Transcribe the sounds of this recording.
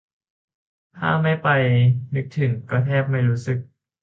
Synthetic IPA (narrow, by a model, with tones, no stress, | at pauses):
t̪ʰa̰ː˥˩ma˥˩jpa˧jnɯ˦˥k̚t̪ʰɯ˨˩˦ŋkɔː˥˩t̪ʰɛː˥˩p̚ma˥˩jɾuː˦˥sɯ˨˩k̚